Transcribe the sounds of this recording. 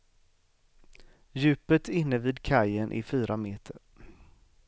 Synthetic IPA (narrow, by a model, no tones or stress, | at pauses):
jʉ̟ːpət̪ɪnːəviːd̪kʰajənʔɪ̰fyːɾʔameːt̪ʰəɾ